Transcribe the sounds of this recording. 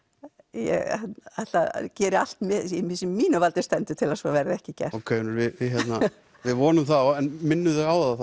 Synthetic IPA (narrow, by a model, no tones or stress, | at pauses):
jɛ̰ɣaðt̪lacɛːɾɪal̥t̪mɪimɪsɛmːiːnavalt̪ɪɾ̥st̪ɛnt̪ʏ̥t̪ʰɪlasɔːvɛːɾɪðɛhcɪcɛ̰r̥ɔkʰœːnʏɾvɪɪçjɛt̪na | vɪðvɔːnʏmθaðɛnmɪnːʏðɪɣaːwθaθ